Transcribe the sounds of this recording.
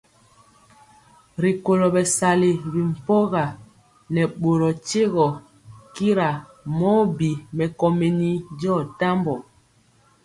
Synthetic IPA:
ɾi˨ko˨lɔ˨bɛ˨sa˨li˨bi˨m̩˨pɔ˦ɣa˨ | nɛ˨ɓo˨ɾɔ˨t͡ʃe˦ɣɔ˨ | ki˦ɾa˨ | mɔ˦bi˨mɛ˨kɔ˨me˨ni˦d͡ʒɔ˦˨ta˦mbɔ˨

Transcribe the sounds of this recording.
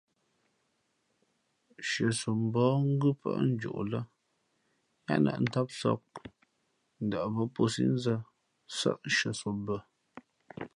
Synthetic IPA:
ʃə˨su˨m̩˨bɔː˨˦ŋ̩˦ɡɨ˦pʰə̰˦ʔn̩˦d͡ʒṵ˨ʔlə˦ | ɲa̰˦nə̰˨ʔn̩˦ta˦p̚sɔ̰˦k̚ | n̩˨da˨ʔbə˦po˦sḭ˦n̩˦zə˦ | sə̰˦ʔʃə˨so˨bə˨

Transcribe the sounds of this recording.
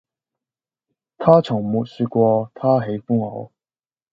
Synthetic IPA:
t̪ʰaː˥t͡sʰʊ˨˩ŋmu˨˩t̚sy˧kʷwɔː˧t̪ʰaː˥ɦe˨˥jfʊ˥ŋho˨˥w

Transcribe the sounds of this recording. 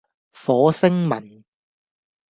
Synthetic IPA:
fɔː˨˥sɪ˥ŋmɐ˨˩n

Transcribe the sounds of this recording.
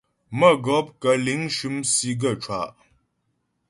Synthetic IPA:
mə˦˨ɡɔ˨˦p̚kə˨˦li˨˦ŋʃʉ˦msi˦ɡə˦˨t͡ʃwa̰˨ʔ

